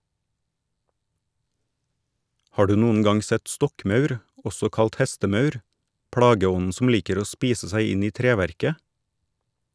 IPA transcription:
ˈhɑː ˈɖʉː ˈnuːən ˈɡɑŋ ˈsɛt ˈstɔkˌmɑʉɾ ˈɔsɔ ˈkɑlt ˈhɛstəˌmɑʉɾ ˈpɽɑːɡəˌɔnn̩ sm̩ ˈliːkəɾ ˈoː ˈspiːsə ˈsæɪ ˈɪn ˈiː ˈtɾeːˌʋæɾkə

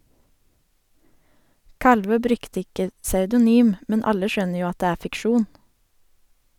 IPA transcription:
ˈkɑlʋøː ˈbɾʉkt ˈɪkə sɑʉdʊˈnyːm ˈmɛn ˈɑlə ˈʃœnə ˈjuː ˈɑt ˈdeː ˈæː fɪkˈʃuːn

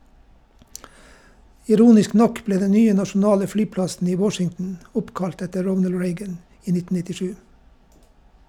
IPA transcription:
ɪˈɾuːnɪsk ˈnɔk ˈbleː ˈdɛ ˈnyːə nɑʃn̩ˈɑːlə ˈflyːˌplɑsn̩ ˈiː ˈwɔʃɪŋtn̩ ˈʊpˌkɑlt ˈɛtə ˈɹɔnəl ˈɹeɪɡən ˈiː ˈnɪtn̩ nɪtɪˈʃʉː

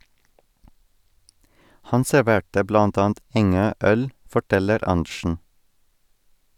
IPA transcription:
ˈhɑn sɛɾˈʋeːʈə ˈblɑnt ˈɑːn̩t ˈɛŋøː ˈœl fɔˈʈɛləɾ ˈɑɳʃɳ̩

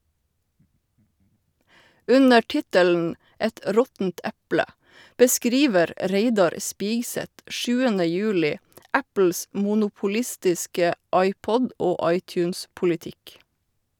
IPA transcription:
ˈʉnə ˈʈɪtəln̩ ˈɛt ə ˈɾɔtn̩t ˈɛplə bəˈskɾiːʋəɾ ˈɹeɪdɑɾ ˈspiːɡsɛt ˈʔʃʉːənə ˈjʉːlɪ ˈæpl̩s muːnuːpʊˈlɪstɪskə ˈɑɪˌpɔd ˈoː ˈɑɪˌtjʉːns pʊlɪˈtɪk

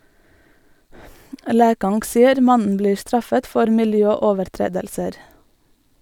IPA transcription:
ˈlæːkɑŋɡ ˈsɪəɾ ˈmɑnən ˈbliː ˈstɹɑfət ˈfɔɾ mɪlˈjœˌoːʋəɾˌtɹeːdəlsəɾ

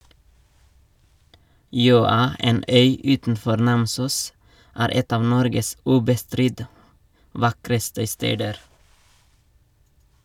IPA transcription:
ˈjøːɑ ˈeːn ˈœʏ ˈʉːtn̩ˌfɔɾ ˈnɑmsuːs ˈæːɾ ˈɛt ˈɑːʋ ˈnɔɾɡəs ˈʉːbəˌstɾɪt ˈʋɑkɾəstə ˈsteːdəɾ

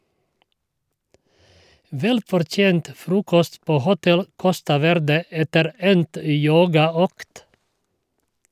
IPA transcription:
ˈʋɛlfɔɾˌtjeːnt ˈfɾuːkɔst ˈpoː ˈhʊtɛl ˈkɔstɑ ˈʋɛɾdə ˈɛtəɾ ˈɛnt ə ˈjoːɡɑˌøːkt

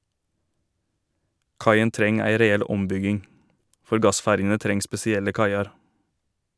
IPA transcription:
ˈkɑɪən ˈtɾɛŋ ˈæɪ ɾɛˈɛl ˈɔmˌbʏɡɪŋ ˈfɔɾ ˈɡɑˌsfæɾjənə ˈtɾɛŋ spɛsɪˈɛlə ˈkɑɪɑɾ

